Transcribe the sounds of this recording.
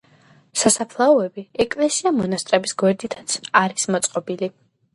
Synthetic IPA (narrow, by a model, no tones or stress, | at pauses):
sasapʰlˠaɔɛbiɛkʼlɛsiamɔnast̪ʼɾɛbisɡwɛɾd̪it̪ʰat̪sʰaɾismɔt̪sʼqʼɔbili